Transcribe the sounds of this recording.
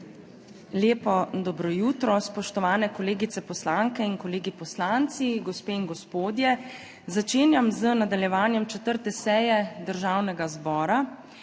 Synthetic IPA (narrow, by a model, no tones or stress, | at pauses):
leːpɔd̪ɔbɾɔjuːt̪ɾɔspɔʃt̪ɔʋaːnɛkɔleːɡit̪sɛpɔslaŋkɛinkɔleːɡipɔslant̪siɡɔspeːinɡɔspoːd̪jɛ | zat͡ʃeːnjamzənad̪aljɛʋaːnjɛmt͡ʃɛt̪əɾt̪ɛsɛːjɛd̪əɾʒaːwnɛɡazbɔːɾa